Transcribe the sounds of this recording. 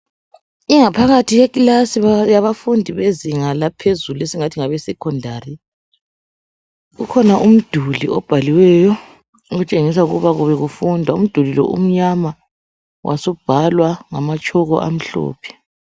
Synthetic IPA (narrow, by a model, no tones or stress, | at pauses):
iŋapʰaɣatʰijekilasijaβafundʱiβeziŋalapʰezuluesiŋatʰiŋaβɛsɛkʰɔndʱaːri | ɣukʰɔnaʔum̩d̥ʱuliɔb̥ʱaliwɛjɔ | uɣut͡ʃʼeŋis̬auɣṵβaɣuβɛɣufundʱwaum̩d̥ʱulilɔ̰ʔṵm̩ɲama | wʔa̰sɔb̥ʱalwaŋamat͡ʃʼʰɔɣɔ̰ʔam̩ɬɔ̰ːpʰɛ̥